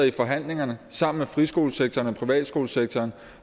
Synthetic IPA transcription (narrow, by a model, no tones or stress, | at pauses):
ifɒ̽ɦæn̰le̝ŋɐnəsɑ̈m̰n̩mefʁisɡ̥o̝̰ːlseɡ̥̚t͡sʰɐːnɒ̽pʰʁiʋɛ̰ːd̥sɡ̥o̝ːlseɡ̥̚t͡sʰɒːn